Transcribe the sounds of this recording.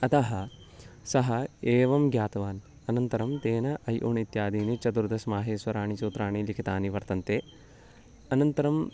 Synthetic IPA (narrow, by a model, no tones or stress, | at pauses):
ɐt̪ɐɦɐ | sɐɦɐeːʋɐmɡjaːt̪ɐʋaːn | ɐnɐnt̪ɐɾɐmt̪eːnɐʔɐjʔuɳit̪jaːd̪iːnit͡ʃɐd̪uɾd̪ɐsmaːɦeːsʋɐɾaːɳisuːt̪ɾaːɳilikʰit̪aːniʋɐɾt̪ɐnt̪eː | ɐnɐnt̪ɐɾɐm